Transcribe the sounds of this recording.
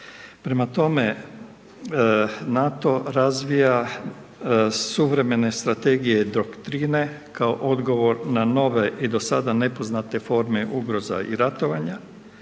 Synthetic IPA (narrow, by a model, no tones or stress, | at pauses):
pɾe̞mat̪o̞me | nat̪o̞ɾazʋija | suʋɾe̞me̞ne̞st̪ɾat̪e̞ɡije̞d̪ɾokt̪ɾiːne̞ | kaoʔo̞d̪ɡo̞ʋo̞ɾnano̞ʋe̞ʔid̪o̞sad̪ane̞po̞znat̪e̞fo̞ɾme̞ʔuɡɾo̞za̰ḭɾat̪o̞ʋaɲa